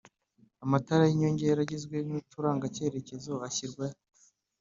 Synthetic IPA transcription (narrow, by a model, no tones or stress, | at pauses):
amataɾajiɲoɲɟejɾaɟezɡwe̞nutuɾaːŋɡace̞ːɾe̞ce̞zo̞açiɾɡwaj